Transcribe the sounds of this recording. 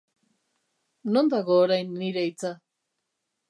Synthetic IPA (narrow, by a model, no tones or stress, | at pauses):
nond̪aɣoːɾajnːiɾejt͡sa